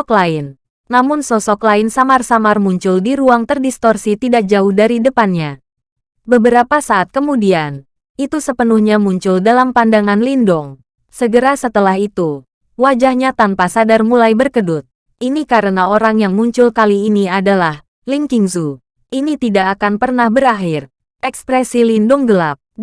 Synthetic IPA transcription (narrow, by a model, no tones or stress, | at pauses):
klaɪnː | amʊnsɔsɔklaɪnsamarsamarmuɲt͡ʃʊldiɾuaŋt̪ərdist̪ɔrsit̪idak̚d͡ʒaʊhdaɾidəpanɲa | bəbəɾapasaʔːt̪̚kəmudian | ʔit̪usəpənuhɲamuɲt͡ʃʊldalampandaŋanlindɔŋ | səɡəɾasət̪əlaɦit̪u | wad͡ʒahɲat̪anpasadarmulajbərkədʊt̪̚ | ʔinikaɾənaoɾaŋjaŋmuɲt͡ʃʊlkaliːniadalah | liŋkiŋzu | ʔinit̪idakːkanpərnahbəɾaɦir | ʔɛkspɾɛsilindʊŋɡəlap̚